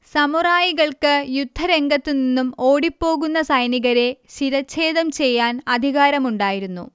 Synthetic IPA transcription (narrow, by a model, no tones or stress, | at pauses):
sɐmuraːjiɣɐɭkɨjud̪ʱːɐɾe̞ŋɡɐt̪ːininːumo̞ːɽipːo̞ːɣunːɐsɐjniɣɐɾe̞ɕiɾɐt͡ɕːe̞ːðɐmt͡ɕe̞jːaːnɐd̪ʱiɣaːɾɐmuɳɖaːjiɾunːṵ